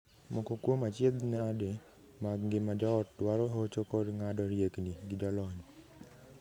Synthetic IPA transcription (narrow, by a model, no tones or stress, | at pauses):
mɔkokwomat͡ʃed̪nɛade | maɡŋɡɪmad͡ʒɔɔt̚dwaɾɔɦot͡ʃokɔdŋadɔɾjekniɡidɔlɔɲɔ